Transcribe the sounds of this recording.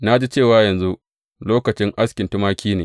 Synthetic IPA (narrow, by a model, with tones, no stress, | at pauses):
na˦d͡ʒi˦t͡ʃeː˦˨waː˦jɐ˨nzu˦ʔ | loː˦kɐ˨t͡ʃɪ˦ŋʔa˦skʲɪ˨ntʊ˦maː˦kʲiː˦neː˨